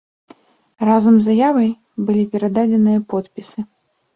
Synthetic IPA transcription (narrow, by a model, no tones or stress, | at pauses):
razɐmzːajavɐj | bɨlʲipʲɛɾɐd̪ad͡zʲɛnɨjɐpɔt̪pʲisɨ